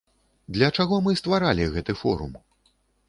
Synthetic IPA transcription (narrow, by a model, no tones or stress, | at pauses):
d̪lʲɐt͡ʂaɣɔmɨst̪vaɾalʲiɣɛt̪ɨfɔ̰ɾṵm